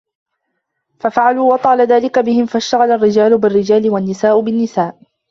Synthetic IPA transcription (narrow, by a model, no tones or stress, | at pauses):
fafaʕaluːwɑt̪ˤɑːlaðaːlɪkabɪhɪmfaʃt̪aɣalarːɪd͡ʒaːlʊbɪrːɪd͡ʒaːlɪwanːɪsaːʔʊbɪnːɪsaːʔ